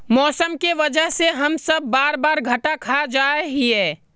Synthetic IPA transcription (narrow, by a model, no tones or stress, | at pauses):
mɔːsəmkeʋɐd͡ʒəɦseɦɐmsɐbːaːɾbaːɾɡʱɐʈakʰad͡ʒaːeɦiɛː